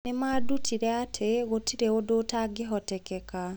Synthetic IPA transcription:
nemaːdutʰiɾɛatʰeɣotʰiɾeodotaɡeɦɔtɛkɛka

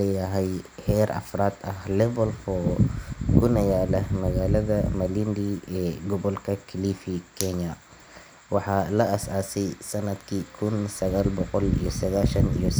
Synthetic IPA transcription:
ɛjɐɦɛjhɛːɾʔɐ̰fraːd̪ɐhlɛvɔlfɔ | kʊnɐjaːlɐmɐɣaːlɐðɐmɐlind̪iɛːɡɔβɔlkʰɐkʰɪliːfikʰɛɲɐ | wɑħɑlɐʔɐsaːsɛjsɐnɐd̪kʰikʰʊnsɐɣaːlbɔqɔlḭjɔsɐɣaːʃɐnḭjɔ

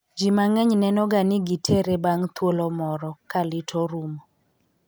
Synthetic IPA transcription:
d͡ʒimaŋɛɲnɛnɔɡanɪɡitʰeɾebaŋt̪wolɔmɔɾɔkalɪtʰoɾumɔ

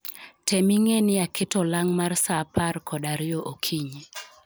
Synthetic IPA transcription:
tɛmiŋenɪakʰɪtɔlaŋmarsapʰarkʰɔdaɾɪjoʔokʰiɲe

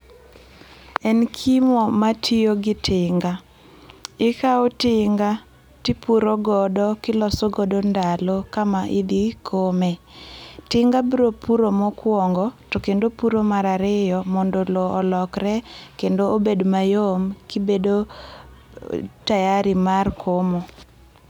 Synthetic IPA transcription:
ɛnkʰimɔmatʰioɡɪtʰɪŋɡa | ɪkaotɪŋɡa | tipuɾoɡɔdɔkɪlɔsoɡɔdɔndalokamaʔid̪ikʰomɛ | tɪŋɡabɾopuɾomɔkwɔŋɡɔtɔkendopuɾomaɾaɾɪjɔmɔndolɔʔɔlɔkrɛkendoobedmajomkibedo | tajaɾimarkʰomɔ

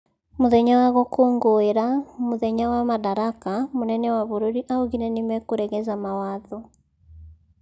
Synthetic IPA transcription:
moðɛɲawaɣɔkʰoːŋɡoeɾamoðɛɲawamaðaɾakamonɛnɛwaβoɾoɾiʔaoɣinɛnimɛkoɾɛɣɛzamawaðɔ

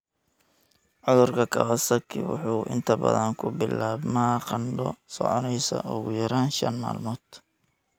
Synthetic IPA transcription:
ʕʊðʊrkʰɐkʰɐβɐsɐkʰɪ̰wʊ̰ħuːʔɪ̰nt̪ʰɐbɐ̰ðɐnkʰʊbɪlaːbmɐqɑnɖɔsɔʕɔnɛjsɐ̰ʔʊɣʊjɐɾaːnʃɐ̰nma̰ːlmɔːd̪̥

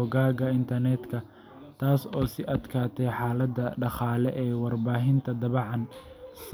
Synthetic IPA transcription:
ɔɡaːɣɐɪnt̪ʰɐrnɛːd̪kʰɐ | t̪ʰaːsɔːsɪʔɐd̪kʰaːt̪ʰɛjħaːlɐd̪ɐɖɑχaːlɛʔɛːwɑrbaːɦɪnt̪ʰɐd̪ɐβɑʕɑn | s

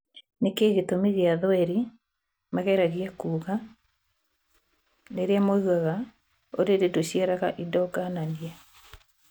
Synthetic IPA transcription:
nekeːɣetomiɣeaðɔɛɾi | maɣɛɾaɣiakuːɣa | neɾeamouɣaɣa | oɾeɾedoɕiɛɾaɣaʔidɔɡananiɛ

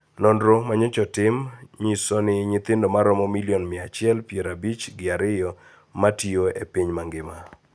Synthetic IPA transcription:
nɔndɾomaɲɛt͡ʃɔtɪmɲisɔnɪɲɪt̪ɪndɔmaɾɔmɔmiliɔnmɪat͡ʃɪɛlpjeɾabit͡ʃɡɪaɾɪjɔ | matioepiɲmaŋɡɪma

